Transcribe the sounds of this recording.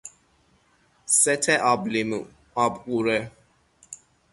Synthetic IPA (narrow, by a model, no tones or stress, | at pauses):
sɛtʰɛʔablim | abkuɾɛ